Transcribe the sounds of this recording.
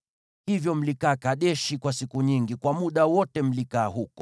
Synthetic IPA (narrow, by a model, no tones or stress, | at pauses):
hivjɔm̩likaːkaɗɛʃikwasikuɲiŋɡikwamuɗawɔtɛm̩likaːɦukɔ̥